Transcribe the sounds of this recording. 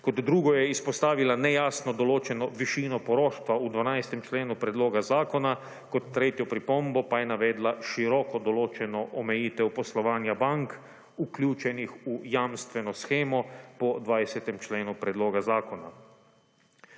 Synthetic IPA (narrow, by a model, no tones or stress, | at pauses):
kɔd̪d̪ɾuːɡɔjɛispɔst̪aːʋilanɛjaːsnɔd̪ɔloːt͡ʃɛnɔʋiʃiːnɔpɔɾoːʃt̪ʋaud̪ʋanajst̪ɛmt͡ʃleːnupɾɛd̪loːɡazaːkɔna | kɔt̪ːɾeːt̪jɔpɾipɔmbɔpajɛnaʋɛːd̪laʃiɾɔkɔd̪ɔloːt͡ʃɛnɔʔɔmɛjiːt̪ɛwpɔslɔʋaːnjabaŋk | uklʲuːt͡ʃɛnixujamst̪ʋɛnɔsxeːmɔpɔd̪ʋaːjsɛt̪ɛmt͡ʃleːnupɾɛd̪loːɡazaːkɔna